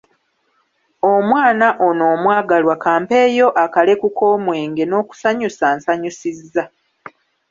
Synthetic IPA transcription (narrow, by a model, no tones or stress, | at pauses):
omwaːnaʔo̞no̞ːmwaːɡalwakaːmpe̞ːjo̞ʔakale̞kukoːmwe̞ːŋɡe̞no̞ːku̥saɲusaːnsaɲusizːa